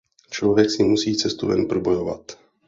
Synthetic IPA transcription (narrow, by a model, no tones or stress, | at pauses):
t͡ʃlovjɛksɪmusiːt͡sɛst̪uvɛ̰npɾobo̞jova̰t̪